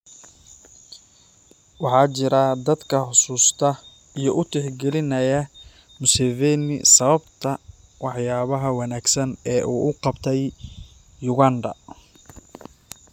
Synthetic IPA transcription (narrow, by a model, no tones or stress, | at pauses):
wɑħɑːt͡ʃɪɾɐd̪ɐd̪kʰɐħʊsuːst̪ʰɐ | ijɞʔʊt̪ʰɪħɡɛlɪnɐjɐ | mʊsɛvɛːnɪ̰sɐβɐbt̪ʰɐ | wɑħjaːβɐɦɐwɑnaːɡsɐnɛːʔuːʔʊqɑbt̪ʰɛjː | ʊɣaːnd̪ɐ̰